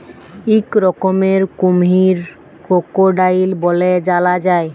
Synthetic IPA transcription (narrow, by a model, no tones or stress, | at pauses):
ikɾɔkɔmeɾkumɦiɾ | kokoɖailbɔlɛd͡ʒalad͡ʒaj